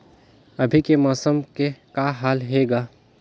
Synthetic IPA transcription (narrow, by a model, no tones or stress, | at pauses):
ɐbʱikemaːsəmkekaɦaːlɦeːɡaː